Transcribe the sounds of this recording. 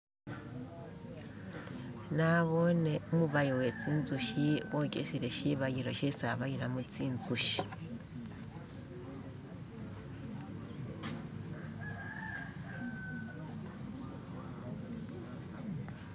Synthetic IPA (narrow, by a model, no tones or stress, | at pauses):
naβoneomuβajowet͡siːnzuʃiwocʼeʃiɾeʃiβajiɾoʃesaβajiɾamut͡siːnzuʃi̥